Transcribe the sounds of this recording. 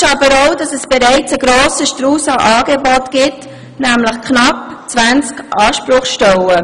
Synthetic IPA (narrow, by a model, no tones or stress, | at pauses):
ɑbəɾoʊdɑsɛsb̥eɾæɪt͡səɡ̥ɾoːsəʃtɾuːsɑʔɑːɡ̥ebɔtɡ̥ɪt | næmləχknɑpt͡sʋænt͡skʔɑːʃpɾʊχʃtɛwə